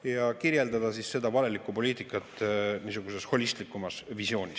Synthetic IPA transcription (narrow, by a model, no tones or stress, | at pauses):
jɑkirje̞ld̪ɑd̪̥ɑsisse̞d̪̥ɑvɑle̞likːˑupo̞liːt̪ikːˑɑt̪ːˑniːsuɡ̥use̞sho̞lʲist̪likːˑumɑsvisjo̞ːnʲis